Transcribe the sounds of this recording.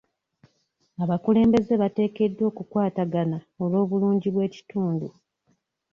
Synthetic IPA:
aβakule̞ːmbe̞ze̞βate̞ːke̞dːwo̞ːkukwaːtaɡana | o̞lo̞ːβuluːɲɟiβwe̞ːci̥tuːndu

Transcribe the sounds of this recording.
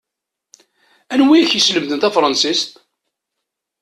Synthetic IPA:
ænwiæçjəsləmθənt̪æfɾˤɑnsist̪

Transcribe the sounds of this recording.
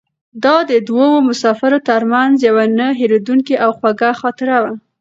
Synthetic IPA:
d̪ɑd̪əd̪wowomʊsɑfɪɾot̪aɾmanzjawanəɦeɾed̪uŋkiʔawxwaɡaxɑt̪ɪɾawa

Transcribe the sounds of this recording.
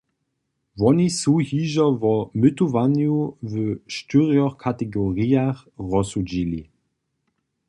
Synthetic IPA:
vɔnisuhiːʒɐvɔmʏtuvanjuvəʃtyʁiɔkʰatɛɡoʁiaχʁɔsud͡ʑilḭ

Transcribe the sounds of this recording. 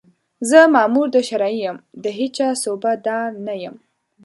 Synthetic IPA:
zəmɑːmuɾd̪əʃaɾɑijəmd̪əɦet͡ʃɑsobad̪ɑnajəm

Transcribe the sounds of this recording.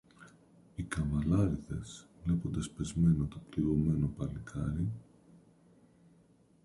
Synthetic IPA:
ikɐvɐlɐɾiðe̞svle̞po̞nd̪ɐspe̞zme̞not̪o̞pliɣome̞no̞pɐlikʰɐɾi

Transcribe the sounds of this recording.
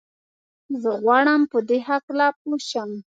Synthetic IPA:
zəɣwɑɽəmpəd̪eɦaklap̚oʃəm

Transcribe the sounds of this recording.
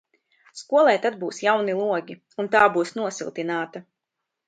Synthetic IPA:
skuɔlˠɛjt̪ad̪buːsjawnilˠuɔɡʲi | unt̪aːbuːsnuɔsilˠt̪inaːt̪a

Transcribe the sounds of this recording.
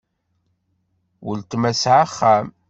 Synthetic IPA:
wəlt̪mæsʕaχːæm

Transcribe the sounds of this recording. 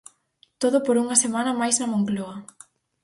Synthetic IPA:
t̪oðʊpoɾuŋɐsemanɐmajznɐmoŋkloɐ

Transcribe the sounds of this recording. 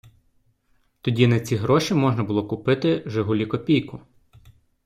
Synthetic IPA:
t̪ɔdʲinɐt͡sʲiɦɾɔʃʲimɔʒnɐbʊlˠɔkʊpɪt̪ɪʒeɦʊlʲikɔpʲijkʊ

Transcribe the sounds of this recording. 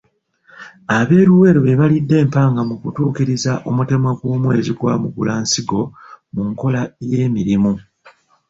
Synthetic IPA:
aβe̞ːɾuwe̞ːɾoβe̞βalidːe̞ːmpaːŋɡamukutuːkiɾizaʔomute̞maɡwoːmwe̞ziɡwamukṵlaːnsiɡo̞muŋko̞laje̞ːmiɾimu

